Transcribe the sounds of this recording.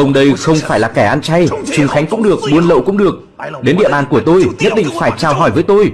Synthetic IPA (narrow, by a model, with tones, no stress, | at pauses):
ʔə˧wŋ͡mɗə˧jxə˧wŋ͡mfaː˧˩jlaː˨˩kɛ˧˩ʔa˧nt͡ɕa˧jt͡ɕʊ˨˩ŋxa˨˦jŋ̟kʊ̰˧˥ŋ͡mɗɨ˨˩ək̚ɓu˨˧ənlə̰˧˨wkʊ̰˧˥ŋ͡mɗɨ˨˩ək̚ | ɗe˨˦nɗḭ˧˨əɓaː˧˨nku˧˩ət̪o˧jɲə˦˥t̚ɗḭ˧˨ŋ̟faː˧˩jt͡ɕaː˧˩wɦɔ˧˩jvəː˨˦jt̪o˧j